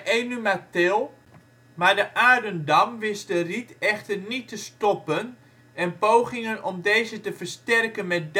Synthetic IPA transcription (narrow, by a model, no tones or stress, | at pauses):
enymatɪlˠ | maːɹdəʔaːɹdəndɑmʋɪsdəritɛχtərnitəstɔpən | ɛnpowχɪŋənɔmdejzətəvəɹstɛrkənmɛt̚d